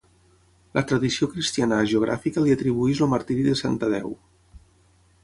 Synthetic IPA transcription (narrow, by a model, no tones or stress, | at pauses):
lʔət̪ɾəðisiokɾist̪ianəʒeuɣ̞ɾʔa̰fikəliət̪ɾiβ̞uizoməɾt̪iɾiðəsant̪əðɛ̰w